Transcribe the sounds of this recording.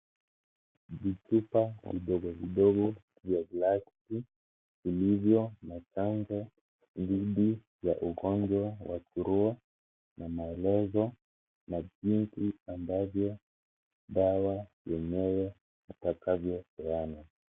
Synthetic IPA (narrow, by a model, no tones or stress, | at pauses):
vit͡ʃupaviɗɔɡɔviɗɔɡɔ | vjavlasti | ilivjɔmat͡ʃand͡ʒɔ | diɗi | jaʔuɣɔɲd͡ʒwawa̰t͡ʃuɾua | namaɛlɛzɔ | navintiambavjɔ | ɗawajɛɲɛwɛ | nitakavjɔsɛana